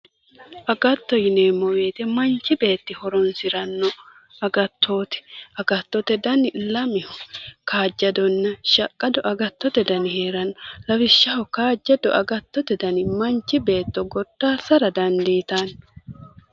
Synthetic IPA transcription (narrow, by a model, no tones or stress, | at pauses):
ʔɐɡɐt̪ːɔjɪneːmːɔwe̞ːt̪ɛmɐnt͡ʃːɪbe̞ːt̪ːɪhɔɾɔnsɪɾɐnːɔ | ɐɡɐt̪ːo̞ːt̪ɛ̥ɐɡɐt̪ːɔt̪ɛd̪ɐnɪlɐmɪhɔkaːd͡ʒːɐd̪ɔnːɐʃɐkʼːɐd̪ɔʔɐɡɐt̪ːɔt̪ɛd̪ɐnɪheːɾɐnːɔlɐwɪʃːɐhɔkaːd͡ʒːɐd̪ɔ̰ʔɐɡɐt̪ːɔt̪ɛd̪ɐnɪmɐnt͡ʃːɪbe̞ːt̪ːɔɡɔd̪̥ːaːsɐɾɐd̪ɐnd̪iːt̪ɐn